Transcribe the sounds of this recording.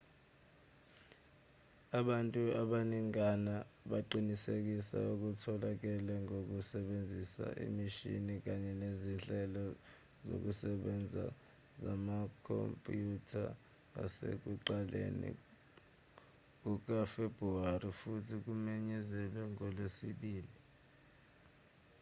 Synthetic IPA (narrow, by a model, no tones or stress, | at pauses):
aɓantʼuaɓaniŋanaɓaǃinisek̬isa̰uk̬utʰɔlak̬ɛlɛŋok̬usɛɓend͡zʱisa̰ʔḭmiʃḭnik̬aɲɛnezinɬʼɛlɔ | zo̰k̬usɛɓɛnd͡zʱa̰ | zamakʰo̰mpʼjutʰa̰ | ŋa̰sḛk̬uǃalḛnḭ | k̬uk̬afeb̥ʱruarifutʰik̬umɛɲɛzɛlɛŋɔlesiɓiːli